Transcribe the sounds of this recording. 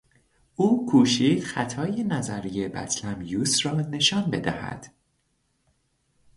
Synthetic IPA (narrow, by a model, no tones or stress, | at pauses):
ʔuːkʰuːʃiːd̪̥xæt̪ʰɒːjenæzæɾije̞bæ̰t̪ʰlæmjuːsrɒːne̞ʃɒːnbe̞d̪æ̰hæ̰d̪̥